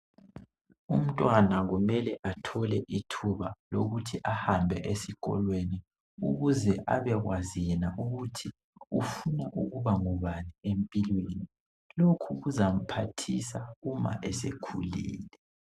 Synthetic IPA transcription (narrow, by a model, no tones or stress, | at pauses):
um̩tʼwanaɣumɛlɛʔatʰɔlɛʔitʰuβaloɣutʰiʔahambʱɛʔesikɔ̰lweni | ṵɣuzɛʔa̰βɛɣwaziɛnaʔuɣutʰi | ufunaʔuɣuβaŋuβaniempʼilweni | lokʰuɣuzam̩pʰatʰisaɣuma̰ʔɛsekʰulḭːlɛ